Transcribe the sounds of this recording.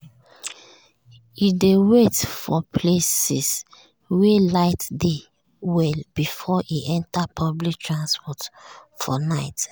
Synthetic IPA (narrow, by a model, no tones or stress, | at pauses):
idewetfɔpʰlesis | welaɪtde | wɛlb̥ifɔʔiʔɛ̃ntapʰɔblik̚tʰɹãnspʰɔtfɔnaɪt